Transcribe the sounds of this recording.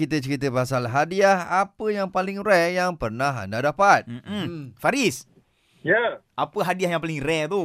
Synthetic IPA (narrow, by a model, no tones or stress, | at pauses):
it̪ət͡ʃəɾit̪əpasalɦadiahapəjaŋpalɪŋrɛjaŋpərnaɦa̰ndadapat̪̩̚m̩faɾis | jaʔapəɦadiahjaŋpalɪŋrɛt̪u